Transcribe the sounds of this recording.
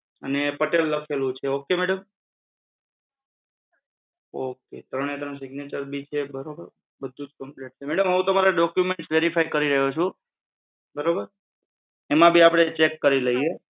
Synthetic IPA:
ənepəʈelːəkʰelũt͡ʃʰeokemɛɽəm | oket̪ɾəɳ̃et̪ɾəɳs̬ɪɡnet͡ʃəɾbit͡ʃʰebəɾobəɾ | bəd̪ʱːud͡ʒkəmpleʈ̚t͡ʃʰemɛɽəmɦəɦũt̪əmaɾaɖɔkjumẽɳʈsʋeɾifʰajkəɾiɾəɦot͡ʃʰũ | bəɾobəɾ | emãbʱiapɽ̃et͡ʃekːəɾiləie

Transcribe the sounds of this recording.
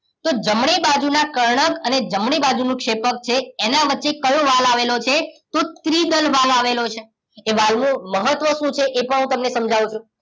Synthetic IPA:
t̪od͡ʒəmɳebad͡ʒunakəɾɳ̃əkəned͡ʒəmɳ̃ibad͡ʒunũkʃepək̚t͡ʃʰeːnaʋətːʃekəjũʋalaʋelot͡ʃʰet̪ot̪ɾid̪əlʋalaʋelot͡ʃʰeː | ʋalmũməɦət̪ʋəsũt͡ʃʰeʔepəɳɦũt̪əmnesəmd͡ʒaʋũt͡ʃʰũ

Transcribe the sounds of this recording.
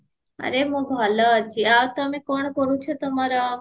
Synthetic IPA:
ə̰ɾeɦũbʱalat͡ʃʰiat̪əmẽkɔɳkəɾũt͡ʃʰot̪əmaɾa

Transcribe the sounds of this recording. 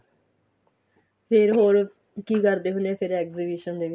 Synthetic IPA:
pʰeɾɦoːɾ | kikɐɾd̪eɦunepʰɪɾɛkzibiʃənd̪eʋi

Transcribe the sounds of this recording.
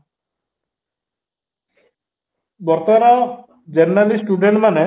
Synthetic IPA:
bɔɾt̪ɔɾa | d͡ʒeɾnalisʈuɖeɳʈmane

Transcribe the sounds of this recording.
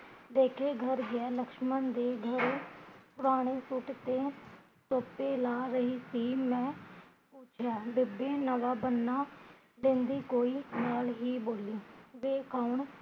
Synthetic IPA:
d̪eːkʰeːɡʱəɾɡɪɛːləkʃmənd̪eːɡʱəɾeːpʊɾaːɽ̃eːsʊʈt̪eː | soːpeːlaːɾəɦiːsiːmɛ̃ː | puːt͡ʃʰjaːbɪbeːnəʋaːbənːaː | lẽːnd̪iːkoːiːnaːlɦiːboːlũːʋeːkʰaːʊɳ

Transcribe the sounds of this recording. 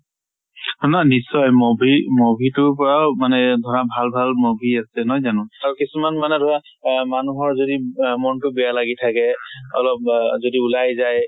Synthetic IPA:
nanisɔjmobʱimobʱitʊpɔɹawmanɛdʱɔɹabʱalbʱalmobʱiasɛnɔjzanʊ̃aɹukisumanmanɛdʱɔɹa | manuɦɔɹzodimɔntʊbɛjalaɡitʰakɛɔ̰lɔp̚zodiulajzaj

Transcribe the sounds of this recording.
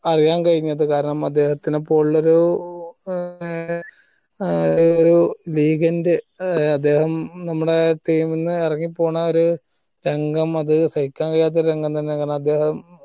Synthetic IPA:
ɐrijaːnkɐɻiɲːɐðɨkaːɾɐɳɐmɐd̪ːe̞ːhɐt̪ːinepːo̞ːɭːoɾu | oɾuliːɡɐndɨ | ɐd̪ːe̞ːhɐmnɐmːuɽe̞ʈiːminːɨirɐŋːipːo̞ːɳɐo̞ɾu | ɾe̞ŋɡɐmɐðɨsɐjikʲːaːnkɐɻjaːt̪̬ːoɾɾeŋɡɐmt̪ɐnːekaːɾɐɳɐmɐd̪ːe̞ːhɐm

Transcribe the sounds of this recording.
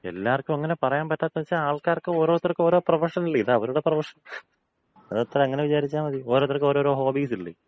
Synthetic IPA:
e̞̰lːaːrkʲːumɐŋːɐnepɐrɐjaːmpɐtːaːt̪ːɐʋɐt͡ɕːaaːɭkaːrkɨoːɾo̞ːt̪ːirkɨo̞ːɾo̞ːprɐʋɐrʂɐniɭːiðɐʋɐɾuɽeprɐʋɐʂɐn | ɐðɐt̪ːrɐɐŋːɐneʋit͡ɕaːɾit͡ɕːaːnʋɐðio̞ːɾoːt̪ːirkːo̞ːɾo̞ːɾo̞ːɦo̞ːbiːsiɭːḭ

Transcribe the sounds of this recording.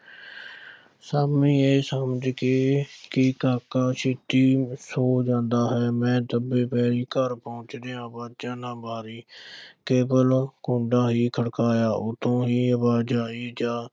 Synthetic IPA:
saːbmĩːeːsəməd͡ʒkeːkɪkaːkaːʃɪt̪iːsoːd͡ʒãːnd̪aːɦɛːmɛ̃ːt̪əbeːpɛːɾiːkəɾpɔʊ̃t͡ʃd̪eːãːbaːt͡ʃãːnãːbaːɾiːkeːbəlkõːɳɖaːɦiːkʰəɽkaːjaːʔʊt̪ʰõːɦiːəbaːd͡ʒaːiːd͡ʒaː

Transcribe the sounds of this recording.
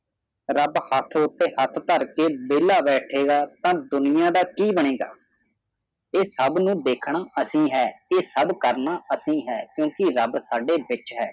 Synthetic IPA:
ɾəbhət̪ʰʊt̪ːeːhət̪ʰt̪əɾkeːbeːlaːbɛːʈʰeːɡaːt̪ãːd̪ʊnɪjãːd̪aːkiːbəɳeːɡa̰ː | eːsəbnũːd̪eːkʰɳaːʔəsĩːɦɛːeːsəbkəɾnaːəsĩːɦɛːkjõːkɪɾəbsaːɖeːʋɪt͡ʃɦɛː

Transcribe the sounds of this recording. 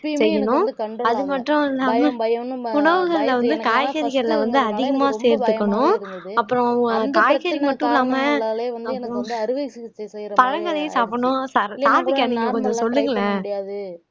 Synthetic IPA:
sɛjːɐɳʊ̃ɐðɯmɐʈːɾʊ̃ɪlːaːmɐʊɳɐʋɯɣɐɭɪlɐʋɐnd̪ɯkaːjɣɐɾɪɣɐɾlɐʋɐnd̪ɯɐðɪɣɐmaːseːɾt̪ɯkːɐɳʊ̃ | ɐpːɯɾɔ̃ɐŋɡɐnk̪aːɣɐɾimɐʈːɯ̃ɪlːaːmɐɐpɐɾɔ̃ | pɐɻɐŋɡɐðɐjɯ̃saːpɐɳʊ̃saːɾsaːɾt̪ɯkːɐniŋɡɐkɔnd͡ʒɐ̃sɔlːɯŋɡɐɭɐ

